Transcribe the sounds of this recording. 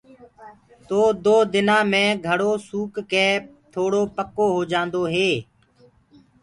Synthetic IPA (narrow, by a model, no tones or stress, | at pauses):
t̪oːd̪oːd̪ɪnãːmẽːɡʱəɽoːsuːkːɛː | t̪ʰoːɽoːpəkoːɦoːd͡ʒãːnd̪oːɦeː